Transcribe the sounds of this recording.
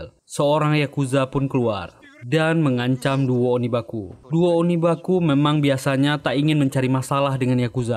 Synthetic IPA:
l | səoɾaŋjakuzapʊnkəlua̰r | danməŋaɲt͡ʃamduoonibakuduoonibakumemaŋbiasaɲat̪aʔiŋɪnməɲt͡ʃaɾimasalahdəŋanjakuza

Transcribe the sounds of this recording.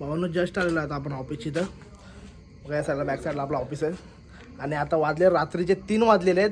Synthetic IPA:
baʋanːud͡ʑəsʈalelaːt̪aːp̬əɳɦɔfit͡ɕit̪ə | məɡjasalabɛksaʈlaːplaɔfise | añiat̪ãʋad̪leɾat̪ɾit͡ɕet̪iːnʋad̪lele

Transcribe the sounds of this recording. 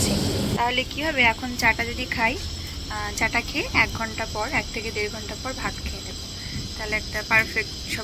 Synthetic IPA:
t͡ɕʰet̪aɦolekibʱɔβeɛkʰont͡ɕaʈad͡ʑod̪ikʰaj | t͡ɕaʈakʰeɛk̚ɡʱɔɳʈapɔɾɛk̚t̪ʰeked̪eɾɡʱɔɳʈapɔɾbʱat̪kʰenebo | t̪aɦoleɛk̚ʈapaɾfek̚ʈʃɔ

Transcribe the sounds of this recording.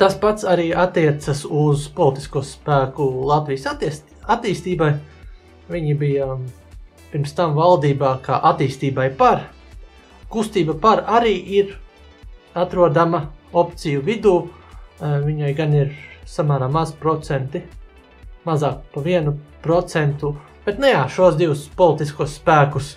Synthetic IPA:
t̪aspat̪saɾiːʔat̪ːiɛt̪sɐsuzpɔlˠt̪i̥skuɔspæːkulˠat̪vijs | at̪iːst̪iːbaj | viɲibija | piɾmst̪amvalˠd̪iːbaːka̰ːʔat̪iːst̪iːbajpaɾ | kust̪iːbapaɾaɾiːʔiɾ | at̪ɾuɔd̪amaɔpt̪sijuvid̪uː | viɲajɡaniɾsamaːɾaːmːazpɾɔt̪sɛnt̪i | mazaːkpaviɛnupɾɔt̪sɛnt̪u | b̥ɛt̪nujaːʃuɔsd̪iʋuspɔlˠit̪iskuɔsspæːkus

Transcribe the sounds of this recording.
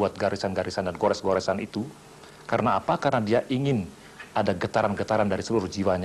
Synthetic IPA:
uat̪̚ɡaɾisanɡaɾisandanɡoɾɛsɡoɾɛsanit̪u | kaɾənaːpakarənadiaʔiŋɪn | adaɡət̪aɾanɡət̪aɾandaɾisəluɾud͡ʒiwaɲa

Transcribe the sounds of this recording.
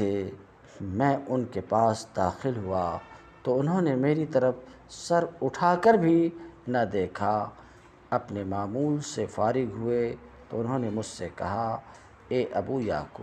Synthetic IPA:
e | mɛ̃ːʔʊnkepaːsd̪aːxɪlɦua | t̪oʊnɦõːnemeːɾit̪ɐɾəf | sɐɾʊʈʰaːkəɾbʱinɐd̪eːkʰa | ɐpnemaːmuːlsefaːɾɪɡɦʊet̪oʊnɦõːnemʊd͡ʒʱsekɐ̰ɦa | eːʔɐbuːja̰ːkʊb

